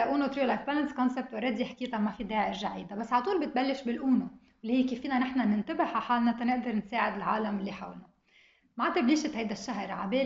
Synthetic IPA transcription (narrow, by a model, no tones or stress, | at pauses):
aʔuːnot̪ɾilajfbalanskɔnsep̚t̪wɪɾˤːɑːd̪iħkiːt̪amafid̪eːʕɪʃʒaʕiːd̪abasːʕalɑt̪ˤuːlbɪt̪̚balːɪʃbɪlʔuːno | wɪlːihiːkeːfiːnanɪħnanɪnt̪abɪħaħaːlnat̪anɪʔd̪ɑɾnseːʕɪd̪ɪlʕaːlamɪlːiħawlna | maʕt̪ɪbliːʃɪt̪hajd̪aʃːaɦɾʕabeː